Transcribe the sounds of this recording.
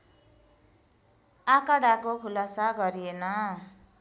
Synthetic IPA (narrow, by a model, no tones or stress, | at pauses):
akaɽakokʰulasaɡʌɾienʌ